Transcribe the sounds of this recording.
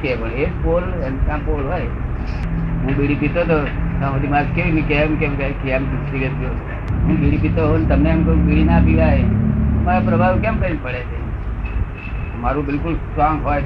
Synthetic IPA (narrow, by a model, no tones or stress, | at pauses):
kebəlepol | emkãpolɦɔj | ɦũɓiɽipit̪ot̪̬osãʋəd̪ʱimakeʋinikemkẽmkakiamɡust̪iɡət̪o | ɦũɓiɽipit̪oɦont̪əmneəmk̪oũbiɽinapiʋaemaɾapɾəbʱaʋkemkəɾinpəɽet͡ʃʰḛ | maɾũbɪlkʊlsʈɾɔŋɡɦoj